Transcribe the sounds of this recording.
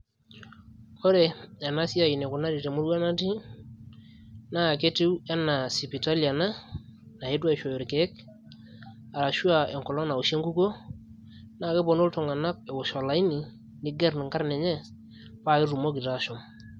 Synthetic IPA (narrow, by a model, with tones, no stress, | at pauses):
ɔ˦ɾe˨a˨na˦si˦a˨i˨ne˨kʊ˨na˦ɾi˨te˨mu˦ɾwa˦na˦ti˦ | na˦˨ke˦te˦we˦na˨si˨pi˨ta˦lia˨na˦ | na˨e˦twa˦i˨ʃo˨o˨ɾke˨˦k̚ | a˨ɾa˨ʃu˦a˨ɛ˨ŋkɔ˨lɔ˦na˨u˨ʃe˦ŋɡu˦ko˦ | na˦˨ke˦bɔ˨no˦ltɔ˨ŋa˨na˦k̚ɛ˨ʊ˨ʃɔ˨la˨i˦ni˨ | nɪ˦ɡɛ˦ɾnɪ˨ŋka˦ɾnɛ˨ɲɛ˦ | pa˦˨kɪ˦ɾu˨mo˦ki˨ta˦ʃɔ˨m